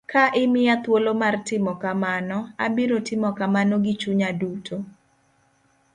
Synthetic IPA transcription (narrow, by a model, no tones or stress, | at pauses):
kaʔɪmɪat̪wolomartɪmɔkamanɔa̰biɾotɪmɔkamanɔɡɪt͡ʃuɲadutʰo